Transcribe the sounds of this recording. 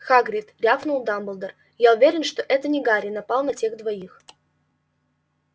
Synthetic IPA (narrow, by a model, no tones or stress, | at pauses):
xaɡɾʲɪt̪ɾʲafnulˠd̪ambəlˠd̪ər | jaʊvʲeɾʲɪnʂt̪oʔɛt̪ənʲɪɡaɾʲɪnɐpɑlˠnɐtʲeɣd̪vɐix